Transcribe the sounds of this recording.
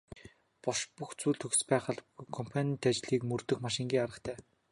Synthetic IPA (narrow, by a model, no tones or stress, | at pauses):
pɔʃpuxt͡suːɮt̪ʰɵxspæːχə̆ɮkʰɔmpʰanʲit̪at͡ɕɮiːkmɵrt̪ɵ̆xmaʃɪ̆ŋɡʲiːŋaɾə̆χt̪ʰæː